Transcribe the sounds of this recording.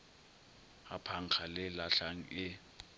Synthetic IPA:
apʰaŋ̩k͡xʰalɪlaɬaŋ̩ɪ

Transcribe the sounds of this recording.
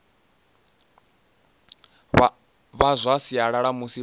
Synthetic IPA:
βazʷasiaɺaɺamusi

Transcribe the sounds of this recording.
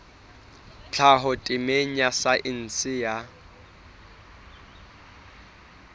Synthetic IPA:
t͡ɬʰaɦʊtʼɪmeɲasaʔɪn̩sɪja

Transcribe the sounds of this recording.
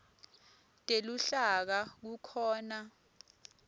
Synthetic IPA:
tʼeluɬak̬ak̬ukʰɔːna

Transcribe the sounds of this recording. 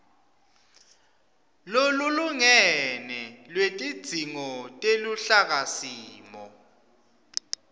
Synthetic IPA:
loluluŋɛnɛlwetʼid̥z̥ʱiŋɔtʼeluɬak̬asiːmɔ̰

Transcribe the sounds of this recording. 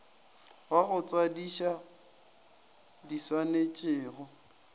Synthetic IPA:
aɣʊt͡sʼwadiʃa | diswanet͡ʃʼɪːɣɔ

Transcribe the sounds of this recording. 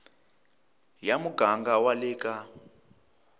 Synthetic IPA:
jamuɡaŋɡawalɛːka

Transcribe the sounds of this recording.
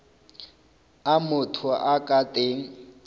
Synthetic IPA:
amʊtʰʊʔakʼatʼeːŋ̩

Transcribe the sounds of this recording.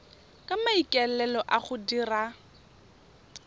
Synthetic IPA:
kʼamaikʼɛlɛlɔʔaχʊdira

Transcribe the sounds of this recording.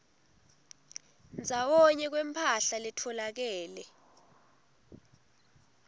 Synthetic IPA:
nd͡zʱawɔɲɛk̬wɛmpʰaɬalɛtʰɔlak̬ɛːlɛ

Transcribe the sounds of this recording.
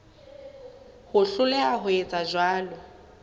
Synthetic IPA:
hʊɬʊlɛaɦʊet͡sʼad͡ʒwaːlɔ

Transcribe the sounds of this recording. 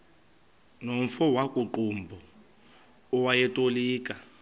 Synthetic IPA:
nomfɔwakʼuǃumbʱɔ | wajɛtʼoliːkʼa

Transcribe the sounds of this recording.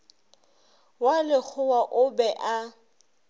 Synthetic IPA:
walɪk͡xʰʊwaʔʊbɛʔa

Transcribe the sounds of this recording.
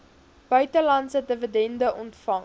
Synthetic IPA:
b̥œɥtəlɐntsət̚dəvədɛndəʔɔntfɐŋ

